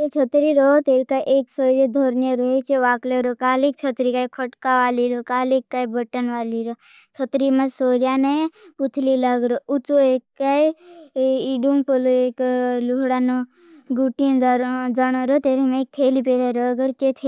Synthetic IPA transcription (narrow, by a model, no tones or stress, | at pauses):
et͡ʃʰət̪ɾiɾot̪eɾkaʔeːksoːɾjed̪ʱoɾnjeɾoet͡ʃeʋaːkleɾokaːlek̚t͡ʃʰət̪ɾikaːjkʰəʈkaʋaːliɾokaːlikːaːibəʈənʋaːliɾo | t͡ʃʰət̪ɾimɐsoːɾjaneput̪ʰlilaɡɾoʔut͡soekːai | iɖumpəloekluɦɽano | ɡuʈijẽd͡ʒanoɾot̪eːɾemẽeːk̚t̪ʰeːlipeɾeɾoɡəɾt͡ʃet̪ʰe